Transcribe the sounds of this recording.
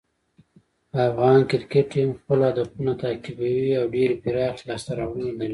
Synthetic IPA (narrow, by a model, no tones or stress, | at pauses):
pəafɣɑnkɪɾkeʈmxpəlɑd̪əxunat̪akɪbawiawɖeɾpɪɾɑɣlɑst̪aɾawənad̪aɾi